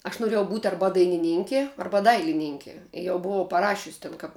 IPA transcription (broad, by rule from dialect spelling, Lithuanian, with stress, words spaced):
ɐʃ noːˈrʲeːjɛʊ buːt ˈɐrbɐ dɐɪnʲɪˈnʲɪŋʲkʲɪ ˈɐrbɐ ˈdɐɪlʲɪnʲɪŋʲkʲɪ jɛʊ bʊˈʋɐʊ pɐˈrɑːʃʲʊsʲ ˈtʲɛn kɐp